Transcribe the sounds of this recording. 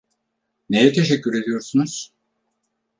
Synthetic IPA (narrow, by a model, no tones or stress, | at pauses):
ne̞jɛt̪ʰe̞ʃɛcʰːyɾe̞d̪ijo̞ɾsunuz̥